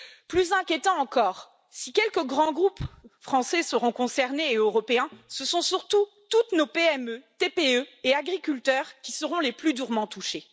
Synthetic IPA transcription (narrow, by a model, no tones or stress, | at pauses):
plyzɛ̃kʲjet̪ɑ̃ɑ̃kɔːʁ | sikʲɛlkəɡʁɑ̃ɡʁupfχɑ̃sɛsəʁɔ̃kɔ̃sɛʁneːøʁɔpeɛ̃səsɔ̃syʁt̪u | t̪ut̪nopeɛmøt̪epeøeaɡʁikʲylt̪œʁkʲisəʁɔ̃leplyd̪yʁmɑ̃t̪uʃe